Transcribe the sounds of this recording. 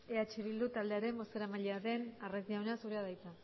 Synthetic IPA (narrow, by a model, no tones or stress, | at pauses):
eat͡ʃiβild̪ut̪ald̪e̞aɾe̞mbo̞st̪eɾamaʎeaðe̞narezd̪iawnasuɾeaðajt͡s̪a